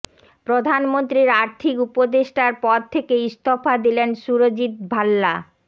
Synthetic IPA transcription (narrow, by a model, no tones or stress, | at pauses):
pɾod̪ʱanmont̪ɾiɾaɾt̪ʰikupod̪eʃʈaɾpɔɾt̪ʰekeist̪ʰofad̪ilenʃuɾod͡ʑit̪̚bʱalːa